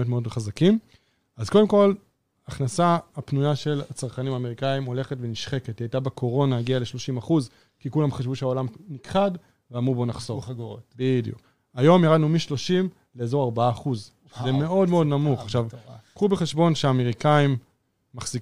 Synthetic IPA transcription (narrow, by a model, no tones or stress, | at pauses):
otmeodmχazakim | azko̞de̞mko̞l | aχnasaːpnujaʃe̞lat͡saʁχanimaːme̞ʁikaimo̞le̞χetve̞niʃχe̞ketiejtabekʰo̞ʁo̞naaɡiale̞ʃlo̞ʃimaχuz | kikulamχaʃvuʃeaolamnikχad | veamʁubo̞naχzoɡotbidjṵk | ajo̞mjaʁad̪numiʃlo̞ʃim | le̞eːzo̞ʁaʁbaaːχuz | zeme̞o̞dme̞o̞dnamuχaχʃavkʁubeχe̞ʃbo̞nʃeaːme̞ʁikaimː | aχz̥ik